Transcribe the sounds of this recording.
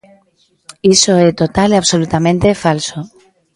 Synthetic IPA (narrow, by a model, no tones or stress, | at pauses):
isoet̪ot̪alaβsolut̪amẽnt̪efalso